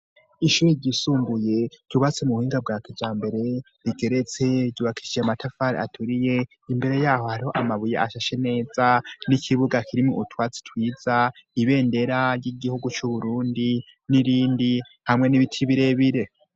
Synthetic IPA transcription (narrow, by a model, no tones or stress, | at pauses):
iʃuːɾiɾɟisuːmbuje̞ɾ̥ɟ̥uβat͡semuuhiːŋɡab̚ɡaːkivjaːmbe̞ɾe̞ | ɾiɡe̞ɾe̞t͡se̞ɾɟuːβakʰi̥ʃijeamatʰafaɾḭa̰tʰuɾije̞ | imbe̞ɾe̞jaːho̞haɾiho̞ʔamaβujeaʃaʃe̞ne̞ːzanikʰiβuɡakʰiɾimoutwaːt͡si̥tʰwiːz̥aiβe̞ːnde̞ɾaɾjiɡihuɡut͡ʃuβuɾuːndi | niɾiːndi | hamŋe̞niβitʰiβiɾe̞βiɾe̞